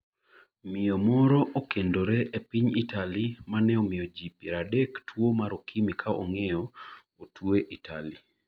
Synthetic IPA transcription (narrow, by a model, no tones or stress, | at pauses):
mɪjomɔɾɔʔokendoɾɛʔepiɲitalimanɛomɪod͡ʒipiɾadɛktʰwomaɾokʰimikʰao̰ŋejɔ | otʰweʔitʰa̰li